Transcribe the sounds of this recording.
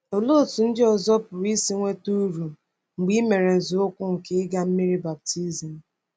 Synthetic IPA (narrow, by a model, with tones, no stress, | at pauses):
o˨lo˦˨tu˨n̩˦dɪ˦ɔ˨zɔ˦pʊ˨ɾi˦si˦ŋʷe˦tu˦ɾu˨ | ŋ͡m̩˨ɡ͡bi˦me˨ɾe˨n̩˨zu˨o˦kʷʊ˦ŋ̩˨ke˦ɪ˦ɡa˦m̩˦mi˦ɾi˦ba˨p̚ti˦zi˨m̩˨